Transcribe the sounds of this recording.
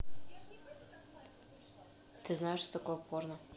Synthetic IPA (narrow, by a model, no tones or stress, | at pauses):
t̪ɨznajeʃt̪ot̪akojpornə